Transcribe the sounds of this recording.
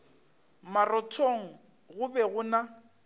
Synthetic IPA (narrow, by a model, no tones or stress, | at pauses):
marɔtʰoŋ̩ | ɣʊbɛɣʊna